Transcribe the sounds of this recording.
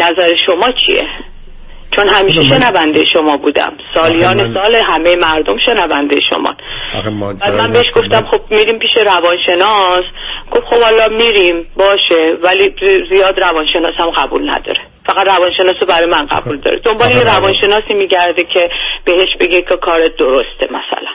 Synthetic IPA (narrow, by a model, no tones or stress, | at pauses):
næzæɾeʃo̞mɒːt͡ʃʰḭḛ | t͡ʃʰo̞nɦæmiːʃeʃe̞nævænd̪ejeʃomɒːbuːd̪æ̰msɒːlijɒːnesɒːleɦæmejemæɾd̪o̞mʃe̞nævænd̪ejḛʃo̰mɒ̰n | bælmænbeeʃɡo̞ft̪æmxo̞b̚miɾiːmpiːʃe̞ɾævɒːnʃe̞nɒsɡ̥o̞fxobhɒlɒmiɾimbɒːʃevælizijɒːd̪ɾævɒːnʃe̞nɒːsæmɢæbṵlnæ̰d̪ɒ̰ːɾe | fæɣæt̪rævɒːnʃe̞nɒːsobæɾɒːjemænɢæ̰buːld̪ɒ̰ːɾed̪o̞mbɒːlejeɾævɒːnʃe̞nɒːsiːmiːɟæɾd̪ecʰe̞b̥e̞heʃbe̞ɡekʰekʰɒːɾed̪oɾost̪emæ̰sæ̰læn